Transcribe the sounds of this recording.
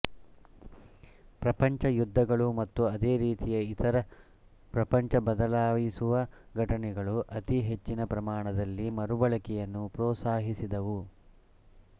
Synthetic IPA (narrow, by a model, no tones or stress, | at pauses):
pɾɐpɐɲt͡ʃɐjud̪ʱːɐɡɐɭumɐt̪ːuɐd̪eːɾiːt̪ijɐit̪ɐɾɐ | pɾɐpɐɲt͡ʃɐbɐd̪ɐlaːʋisuʋɐɡʱɐʈɐɳɛɡɐɭuʔɐt̪iɦe̞t͡ʃːinɐpɾɐmaːɳɐd̪ɐlːimɐɾubɐɭɐkɛjɐnːupɾɔːt̪saːɦisid̪ɐʋu